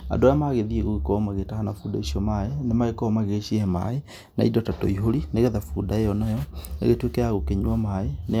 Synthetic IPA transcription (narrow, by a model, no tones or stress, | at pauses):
a̰ndoajamaɣeðieɣoɣekɔmaɣetahanafuːdaiʃɔmaenemaɣekɔmaɣeʃieɛma̰e | na̰idɔtatɔ̰iɦoɾineɣɛðafuːdaejɔnajɔnḛɣetwekɛaɣokeɲuɔmaene